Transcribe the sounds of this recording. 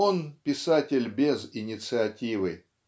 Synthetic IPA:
onpʲɪsatʲɪlʲbʲezɪnʲɪt̪sɨɐtʲivɨ

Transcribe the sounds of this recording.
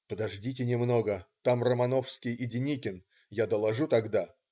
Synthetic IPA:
pəd̪ɐʐdʲitʲɪnʲɪmno̞ɡət̪amrəmɐnofskʲɪjɪdʲɪnʲikʲɪn | jad̪əlˠɐʐut̪ɐɡd̪a

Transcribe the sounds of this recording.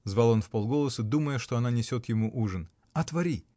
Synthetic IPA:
zvalˠo̞nfpolˠɡo̞lˠəsɨd̪uməjəʂt̪oɐnanʲɪsʲo̞t̪jɪmuʔuʐɨn | ɐt̪vɐɾʲi

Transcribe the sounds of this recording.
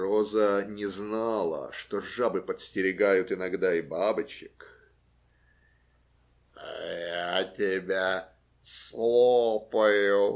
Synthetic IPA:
rozənʲɪznalˠə̰ʂt̪oʐabɨpət̪sʲtʲɪɾʲɪɡajʊt̪ɨnɐɡd̪aɪbabɨt͡ɕɪk | a̰jatʲɪbʲa | slˠopəjʊ

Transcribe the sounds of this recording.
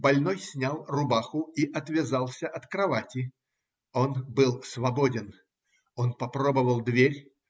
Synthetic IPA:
bɐlʲnojsʲnʲalˠrʊbaxʊiʔɐt̪vʲɪzɑlˠsʲəʔɐt̪kɾɐvatʲɪ | onbɨlˠsvɐbodʲɪn | onpɐpɾo̞bəvəlˠd̪vʲeɾʲ

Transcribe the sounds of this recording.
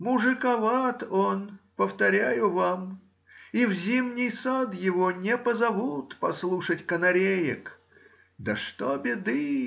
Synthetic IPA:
mʊʐɨkɐvat̪onpəft̪ɐɾʲæjʊvam | ivzʲimnʲɪjsad̪jɪvonʲɪpəzɐvut̪pɐslˠuʂətʲkənɐɾʲejɪ̰k | d̪əʂt̪obʲɪd̪ɨ

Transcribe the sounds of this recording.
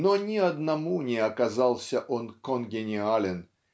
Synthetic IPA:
nonʲɪɐd̪nɐmunʲɪɐkazɑlˠsʲəʔonkonɡʲɪnʲɪalʲɪn

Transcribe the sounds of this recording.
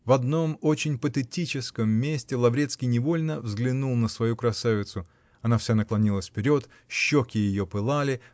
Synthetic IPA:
vɐd̪no̞mo̞t͡ɕɪnʲpət̪ɨtʲit͡ɕɪskəmːʲesʲtʲɪlˠɐvɾʲet̪skʲijnʲɪvo̞lʲnəvzɡlʲɪnulˠnəsvɐjukɾɐsavʲɪt̪sʊ | ɐnafsʲanəklˠɐnʲilˠəsʲfpʲɪɾʲo̞t̪ | ɕːokʲɪjɪjo̞pɨlˠalʲɪ

